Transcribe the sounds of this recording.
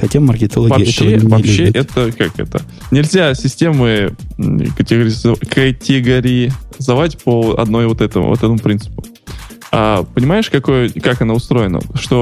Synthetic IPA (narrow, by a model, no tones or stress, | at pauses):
xɐtʲamːərkʲɪt̪ɐlˠɐvɐɕːevɐpɕːeʔɛt̪əkakɛ̰t̪ə̰ | nʲɪlʲzʲasʲɪsʲtʲe̞mɨ | kətʲɪɡəɾʲɪzkʰɐtʲɪɡɐɾʲɪzɐvatʲpəɐ̰d̪no̞jvo̞t̪ɛt̪ə̰vo̰t̪ɛt̪əmʊpɾʲinsɨ̥pʊ̥ | apənʲɪmajɪʂkɐko̞jəkakɐnaʊst̪ɾo̞jɪnə̰ʂt̪o̞